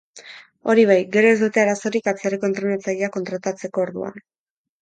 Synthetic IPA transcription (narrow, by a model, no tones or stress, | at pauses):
o̞̰ɾiβ̞ajɡe̞ɾo̞e̞zd̪ut̪e̞aɾaso̞ɾikat͡seɾeko̞nt̪ɾunet͡saʎiako̞nt̪ɾat̪at͡se̞ko̞ːɾðṵa̰n